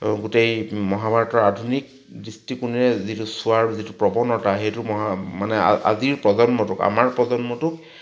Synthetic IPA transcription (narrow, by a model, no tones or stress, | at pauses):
ɡutejmɔɦabaɹɔtɔadʱunik̚ | dɹistikuniɹɛzitʊsʊaɹzitupɹɔbɔnɔtaɦejtʊmɔɦamanɛa̰a̰ziɹpɹɔzɔnmɔtʊka̰maɹpɹɔzɔnmɔtʊk̚